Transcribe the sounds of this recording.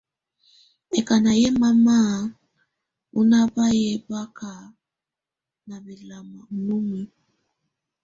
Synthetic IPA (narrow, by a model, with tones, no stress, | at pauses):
ɛ˨ka˨na˨jɛ˦ma˦ma˦˨ | u˦na˦ba˦jɛ˦ba˦ka˨ | na˨bɛ˨la˨ma˨nu˦mu˦